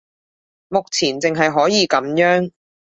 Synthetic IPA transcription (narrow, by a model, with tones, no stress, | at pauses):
mʊ˨k̚t͡sʰiː˨˩nt͡sɪ˨ŋɦɐ˨jɦɔː˨˥jiː˨˧kɐ˨˥mjœː˨˥ŋ